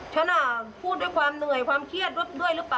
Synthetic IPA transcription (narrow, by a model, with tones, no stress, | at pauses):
t͡ɕʰa˧˥˩na˧˩pʰuː˥˩t̪̚duː˥˩jkʰwaː˧mnɯ˨˩əjkʰwaː˧mkʰi˦˥˩ət̪̚d̚du˥˩əjɾɯ˦˥paː˧